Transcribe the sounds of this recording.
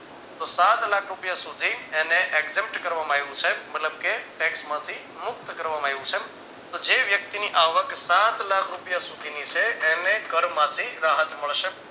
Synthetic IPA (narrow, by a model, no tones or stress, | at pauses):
t̪osat̪lakʰɾupjasud̪ʱieneʔeɡzemp̚ʈkəɾʋamãajʋũt͡ʃʰemət̪ləbkeʈɛksmãt̪ʰi | mʊk̚t̪kəɾʋamãaʋũt͡ʃʰe | t̪od͡ʒeʋjək̚t̪iniʔaʋəksat̪lakʰɾupjasud̪ʱinit͡ʃʰeʔenekəɾmãt̪ʰiɾaɦət̪məɭʃe